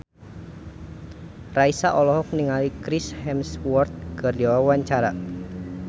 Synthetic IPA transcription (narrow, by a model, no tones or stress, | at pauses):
raisaʔɔlɔɦɔk̚niŋalikɾishɛmswɔrt̪̚ɡərd͡ʒawawaɲt͡ʃaɾa